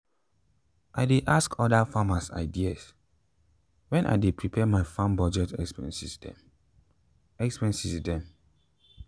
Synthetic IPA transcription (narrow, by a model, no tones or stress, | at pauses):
ʔaɪdeʔaskʰɔdafamasa̰ɪdias | wɛ̃nʔa̰ɪdepʰɹipʰɛmaɪfãnbɔd͡ʒɛtɛkspɛ̰̃nsistɛ̰m | ɛkspɛ̃nsisdɛ̃m